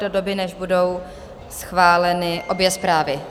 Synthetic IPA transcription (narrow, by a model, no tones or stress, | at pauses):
dodo̞bɪnɛʒbudo̞w | sxvaːlɛnɪʔo̞bjɛspɾaːvɪ